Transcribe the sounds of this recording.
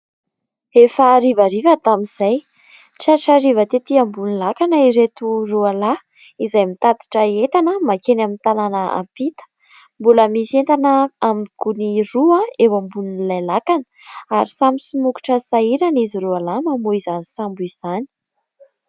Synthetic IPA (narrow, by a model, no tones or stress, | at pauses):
efaɾivaɾivət̪amiz̥aj | ʈ͡ʂaʈ͡ʂaɾivət̪et̪iambunilakanəiɾet̪uruala | izajmit̪ad̪i̥ʈ͡ʂəet̪anəmakenamint̪ananəa̰mpit̪ə̥ | mbuləmisent̪anəamikuniruaewambuninilajlakan | aɾisamisumuku̥ʈ͡ʂəsaiɾaniziɾualamamuizanisambuiz̥ani̥